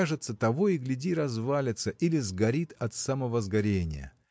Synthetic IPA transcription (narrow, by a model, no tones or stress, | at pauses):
aʐɨt̪sət̪ɐvo̞ɪɡlʲɪdʲiɾɐzvalʲɪt̪səʔilʲɪzɡɐɾʲit̪ɐt̪saməvəzɡɐɾʲenʲɪ̰jə̰